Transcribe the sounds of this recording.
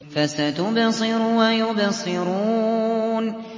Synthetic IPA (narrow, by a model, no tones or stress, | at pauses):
fasat̪ʊbɑsˤɨɾʊwajʊbɑsˤɨɾuːn